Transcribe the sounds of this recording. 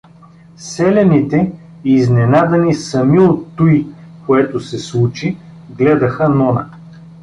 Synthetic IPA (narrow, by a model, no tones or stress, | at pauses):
sɛlɛnit̪ɛ | iznɛnad̪ɐnisɐmiot̪ːuikoɛt̪osɛslˠut͡ʃi | ɡlɛd̪ɐxənɔnə̰